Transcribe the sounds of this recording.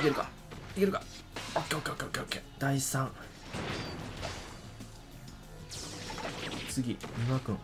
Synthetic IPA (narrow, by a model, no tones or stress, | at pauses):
iɡʲeɾɯ̟ka̰ | iɡʲeɾɯ̟ka | okːeːokːeːokeːokːeokːed̪aisãŋ | t͡sɨɡʲiɲʲiɡakɯ̟̃ŋ